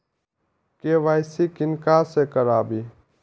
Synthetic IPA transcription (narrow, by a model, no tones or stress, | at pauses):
keʋaːɪsikɪnkasekəɾaːbi